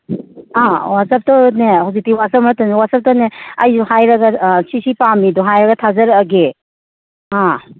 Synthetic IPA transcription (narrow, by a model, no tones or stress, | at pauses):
awasap̚tɔnehawzik̚tiwasap̚matanewasap̚tɔneɐjduhajɾɐɡasisipamidɔɦajɾɐɡatʰazɐɾɐɡe | a